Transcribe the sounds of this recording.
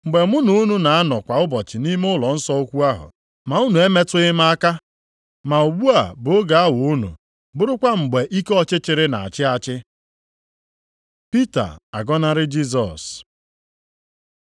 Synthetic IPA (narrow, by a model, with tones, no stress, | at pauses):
ŋ͡m̩˨ɡ͡be˨mʊ˦nu˦nu˦na˨a˦nɔ˨kʷa˨ʊ˦bɔ˨t͡ʃɪ˨ni˦me˦ʊ˦lɔ˨n̩˦sɔ˦o˦kʷu˦a˦ɦʊ̰˨ | ma˨u˦nu˨e˦me˦tʊ˦ɪ˦m˦a˦ka˦ | ma˨o˨ɡ͡bu˦a˨bʊ˨o˦ɡa˨a˦wʊ˨u˦nṵ˨ | bʊ˦ɾʊ˦kʷa˦ŋ͡m̩˨ɡ͡be˨ʔi˦ke˦ɔ˦t͡ʃɪ˦t͡ʃɪ˨ɾɪ˦na̰˨a̰˨t͡ʃɪ˦a˨t͡ʃɪ˦ | pi˦ta̰˨a̰˨ɡɔ˦na˦ɾɪ˦d͡ʒi˦s̬ɔ̰˨s